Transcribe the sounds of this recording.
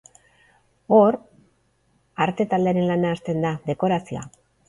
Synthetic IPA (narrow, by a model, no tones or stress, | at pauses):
o̞ɾ | aɾt̪e̞t̪ald̪e̞aɾe̞nlanaːst̪e̞nd̪aðe̞ko̞ɾasioa̰